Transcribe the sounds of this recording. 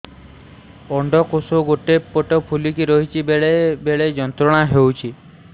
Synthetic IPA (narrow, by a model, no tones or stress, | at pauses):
ɔɳɖɔkosoɡoʈepoʈɔpʰulikiɾɔɦit͡ʃʰibeɭebeɭed͡ʒɔnt̪ɾɔɽ̃aɦewt͡ʃʰi